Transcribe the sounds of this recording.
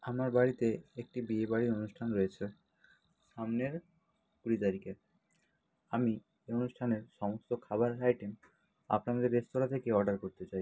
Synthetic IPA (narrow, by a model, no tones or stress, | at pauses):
amaɾbaɽit̪eek̚ʈibiebaɽiɾonuʃʈʰanɾɔet͡ɕʰe | ʃamneɾ | kuɽit̪aɾikeɾ | ami | eonuʃʈʰaneɾʃɔmost̪okʰabaɾajʈem | a̰pnamad̪eɾːest̪oɾat̪ʰekeɔɾɖaɾkoɾt̪et͡ɕaj